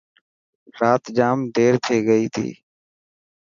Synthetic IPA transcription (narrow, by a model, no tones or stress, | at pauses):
ɾaːt̪d͡ʒaːmɖʱeːɾt̪ʰeːɡəiːt̪ʰḭː